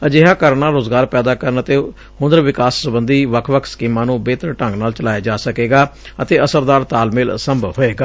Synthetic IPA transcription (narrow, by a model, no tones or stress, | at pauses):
əd͡ʒeːɦaːkəɾnaːɾoːzɡaːɾpɛːd̪aːkəɾənət̪eː | ɦʊ̃nd̪əɾʋɪkaːsːʊbənd̪iːʋəkʰʋəkʰskiːmãːnũːbeːt̪əɾʈə̃ŋɡnaːlt͡ʃəlaːjaːd͡ʒaːsəkeːɡaːət̪eːəsəɾd̪aːɾt̪aːlmɪlsəmbʱɦoːeːɡaː